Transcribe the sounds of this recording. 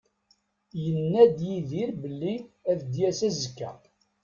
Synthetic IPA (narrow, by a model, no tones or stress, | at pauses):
jənːæd̪jiðiɾbəlːiæðd̪jæsæzəkːæ̰